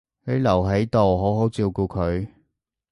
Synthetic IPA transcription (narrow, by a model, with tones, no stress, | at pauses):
he˨˧˥lɐ˨˩wɦe˨˥jt̪o˨wɦo˨˥wɦo˨˥wt͡siː˧wkuː˧kʰɵ˨˧ɥ